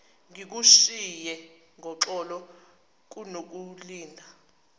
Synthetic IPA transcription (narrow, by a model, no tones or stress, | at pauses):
ŋik̬uʃijɛ | ŋʱɔǁɔlɔ | k̬unok̬uliːndʱa